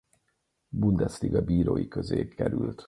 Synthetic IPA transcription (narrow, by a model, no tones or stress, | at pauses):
bund̪ɛst̪iɡɒbiːɾoːjikø̞zeːkɛɾylt̪